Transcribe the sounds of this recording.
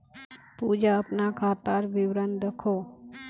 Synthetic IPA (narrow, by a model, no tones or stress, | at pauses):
pud͡ʒaəpnakʰaːt̪aɾʋɪʋɾənd̪əkʰo